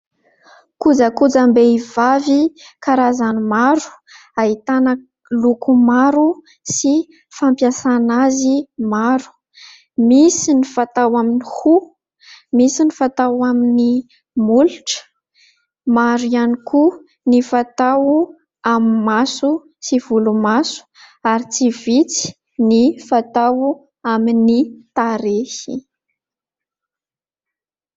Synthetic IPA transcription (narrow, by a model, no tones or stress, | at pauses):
kud͡zakud͡zambeivavikaɾazanimaɾu̥ | aɦit̪anə | lukumaɾu | si | fampjasanazimaɾu̥ | misinifat̪awaminihu | misinifat̪awamini | muluʈ͡ʂə̥ | maɾianiku | nifat̪awu | amimasu | sivulumasu̥ | aɾit͡sivit͡si̥ | nifat̪awu | aminit̪aɾehi